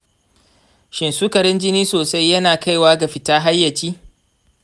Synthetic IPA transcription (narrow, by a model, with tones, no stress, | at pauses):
ʃɪ˨nsuː˦kɐ˨ɽɪ˦nd͡ʒɪ˦niː˦soː˨sa˦jːɐ˦naː˨ka˦jwaː˦ɡa˨ɸɪ˨taː˦ɦa˦jːɐ˨t͡ʃiː˦